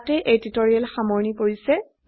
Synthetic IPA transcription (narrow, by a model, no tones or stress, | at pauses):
tɛʔeditoɹialxamɔɹnipoɹisɛ